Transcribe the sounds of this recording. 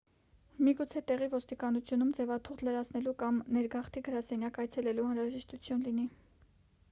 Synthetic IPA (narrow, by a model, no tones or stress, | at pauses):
miɡut͡sʰɛt̪ɛʁivɔst̪ikɑnut͡sʰjunumd͡zɛvɑt̪ʰuʁd̪ləɾɑt͡sʰnɛlukɑmnɛɾɡɑχt̪ʰiɡəɾɑsɛnjɑkɑjt͡sʰɛlɛluɑnɾɑʒɛʃt̪ut͡sʰjunlini